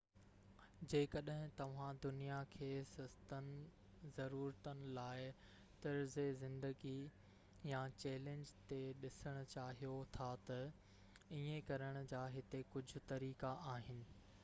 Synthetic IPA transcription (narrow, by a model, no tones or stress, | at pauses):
d͡ʑeːkɐɗɦɪ̃t̪ɐʋ̤ãd̪ʊnijakʰeːsɐst̪ənɪ̆ | zɐɾuːɾət̪ənɪ̆laːɪ | t̪ɐɾzezɪ̃nd̪əɡi | jat͡ɕɛːlẽːɲd͡ʑt̪eɗɪsəɽ̃ʊ̆t͡ɕaːɦijot̪ʰat̪ɐ | iẽkɐɾəɽ̃ʊd͡ʑaːɦɪt̪ekʊd͡ʑʱʊ̆t̪ɐɾiːkaʔaːɦɪnɪ̆